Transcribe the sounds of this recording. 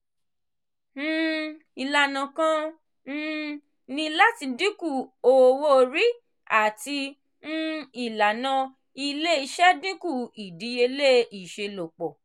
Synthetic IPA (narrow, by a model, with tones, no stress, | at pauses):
n̩ː˦ | i˨la˨nã˨kã˧ | n̩˦ | nĩ˧la˦ti˧dĩ˦ku˦˨o˨wo˦o˧ɾi˦ | a˦˨ti˧ | n̩˦i˨la˨nã˧ | i˧le˦i˧ʃɛ˦dĩ˦ku˦˨i˨di˨˦je˧le˦i˨ʃe˧lo˨k͡pɔ˨